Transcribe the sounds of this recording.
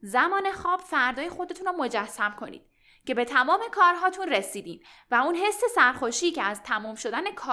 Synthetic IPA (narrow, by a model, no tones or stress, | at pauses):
zæmɒːne̞xɒːb̥fæɾd̪ɒːje̞xo̞d̪e̞t̪ʰunɔmo̞d͡ʒæsːæmkʰo̞nḭːd̪ | ce̞be̞t̪ʰæmɒːme̞kʰɒːɾɦɒːt̪ʰunresiːd̪iːm | væunɦe̞sːe̞sæɾxoʃiːcʰeæzt̪ʰæmɔːmʃo̞d̪æne̞kʰɒː